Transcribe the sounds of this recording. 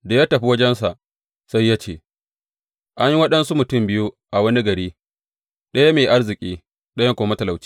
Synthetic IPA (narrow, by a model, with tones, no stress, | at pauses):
da˨jaː˦tɐ˨ɸi˦wɐ˦d͡ʒɛ˦nsa˨ʔ | sa˦jːa˦t͡ʃeː˨ | ʔa˦ɲji˦wɐ˦ɗɐ˦nsu˦mʊ˨tʊ˦˨mbɪ˦ju˦ | ʔa˨wɐ˦ni˦ɡɐ˨ɽiː˦ | ɗɐ˦ja˦meː˨ʔa˦rzɪ˨kʲʼiː˦ | ɗɐ˦ja˦kʷoː˨mɐ˦tɐ˨la˨wt͡ʃi̥˦